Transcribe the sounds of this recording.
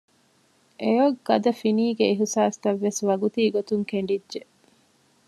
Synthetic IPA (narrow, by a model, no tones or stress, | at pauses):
ʔejoɡːɐd̪ɐfiniːɡeiɦisaːst̪ɐʋːesʋɐɡut̪iːɡot̪uŋkeɳ̆ɖidʒe